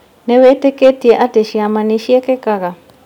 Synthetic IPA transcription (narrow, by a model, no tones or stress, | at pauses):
nɛweteketieʔateʃiamaniʃiɛkɛkaɣa